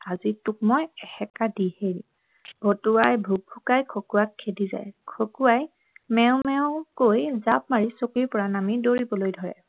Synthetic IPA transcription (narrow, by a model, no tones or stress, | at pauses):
azituk̚mɔjɛxɛkadiheɹi | b̥ʱotuwajbʱuɡ̚bʱukajkʰokuwakʰːediza̰jkʰokuaj | mɛʊ̃mɛʊ̃kojzap̚maɹisokiɹpɔɹanamidoɹibɔlojdʱɔɹɛ̰